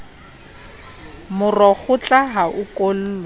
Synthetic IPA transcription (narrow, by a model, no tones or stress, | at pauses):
mʊrɔk͡xʰʊt͡ɬʼaɦaʔʊkʼol̩ːla